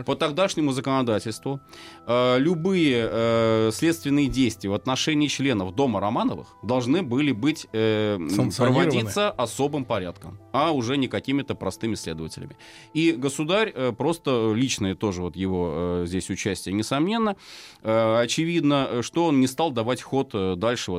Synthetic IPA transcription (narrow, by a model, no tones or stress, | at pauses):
pət̪ɐɡd̪aʂnʲɪmʊzəkənɐd̪atʲɪlʲst̪vʊ | əlʲʊbɨjəəsʲlʲet̪st̪vʲɪnːɨjədʲejsʲt̪vʲɪjəvɐt̪nɐʂɛnʲɪːt͡ɕlʲe̞nəfd̪o̞məɾɐmanəvɨ̰xd̪ɐlˠʐnɨbɨlʲɪbɨtʲə | pɾəvɐdʲit̪sːəʔɐso̞bɨmpɐɾʲa̰t̪kə̰mɐʊʐɛnʲɪkɐkʲimʲɪt̪əpɾɐst̪ɨmʲɪsʲlʲe̞̰d̪əvətʲɪ̰lʲɪ̰mʲɪ | iɡəsʊd̪aɾʲəpɾo̞st̪əlʲit͡ɕnɨjət̪o̞ʐɨvo̞t̪jɪvozʲdʲesʲʊt͡ɕæsʲtʲɪjənʲɪsɐmnʲe̞nːəəɐt͡ɕɪvʲid̪nəʂt̪o̞onnʲɪst̪ɑlˠd̪ɐvatʲxo̞t̪d̪alʲʂɨv